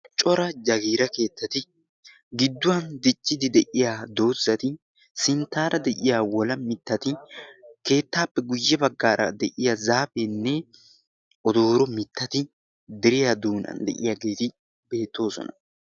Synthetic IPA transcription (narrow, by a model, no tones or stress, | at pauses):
t͡ʃʼɔɾɐd͡ʒɐɡiːɾɐke̞ːt̪ːɐt̪ɪ | ɡɪd̪ːʊwɐnd̪ɪt͡ʃʼːɪd̪ɪd̪ɛʔɪjad̪o̞ːzːɐt̪ɪ | sɪnt̪ːaːɾɐd̪ɛʔɪjaːwɔlɐmɪt̪ːɐt̪ɪke̞ːt̪ːaːpːɛɡʊjːɛbɐɡːaːɾʔɐ̰d̪ɛʔɪjazaːbɛnːɛ | ʔɔd̪o̞ːɾɔmɪt̪ːɐt̪ɪ | d̪ɪɾɪjad̪uːnɐ̰nd̪ɛ̰ʔɪjaɡe̞ːt̪ɪ | be̞ːt̪ːo̞ːsɔ̰nɐ̰